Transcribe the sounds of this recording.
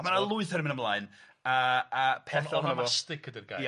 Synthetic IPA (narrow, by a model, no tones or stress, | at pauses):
manalˠʊɨθəɾəmɪnəmlˠaːɨn | əapʰɛθaamstɪkʰədirɡa̰